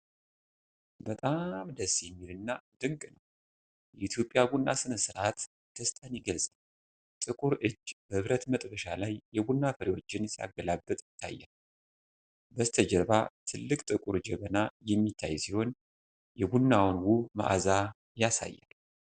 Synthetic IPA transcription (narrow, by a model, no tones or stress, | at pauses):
bət̪ʼamd̪əsjɛmːilɨnːad̪̥ɨŋkʼnəw | jɛʔit̪ʰjo̞pʼːjaɡunːasɨnəsɨɾʔat̪ | d̪̥ʰəst̪ʰʼaniɡəlsʼal | t̪ʼɨkʼuɾɨd͡ʒːbəhɨβɾət̪mət̪ʼbəʃalajːɛɡunːafəɾiwo̞t͡ʃːɪnsia̰ɡəlabːət̪ʼjt̪ʰːa̰jːa̰l | bəzt̪ʰəd͡ʒəɾβat̪ʰɨlːɨkʼt̪ʼɨkʼuɾd͡ʒɛβənajɛmːit̪ʰːajsiho̞n | jɛɡunːawnwumə̰ʔa̰za | jasa̰jːa̰l